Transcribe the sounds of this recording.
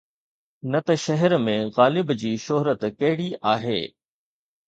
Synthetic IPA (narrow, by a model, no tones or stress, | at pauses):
nɐt̪ɐʃɐɦɛɾmẽɣaːlɪbd͡ʑiːʃoɦɾət̪kɐɦɪɽiʔaːɦḛː